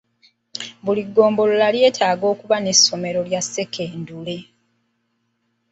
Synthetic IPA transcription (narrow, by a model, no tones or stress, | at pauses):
βuliɡːo̞ːmbo̞lolalje̞ːtʰaːɡo̞ːkuβane̞sːo̞me̞ɾo̞ljasːe̞kʰe̞ːndule̞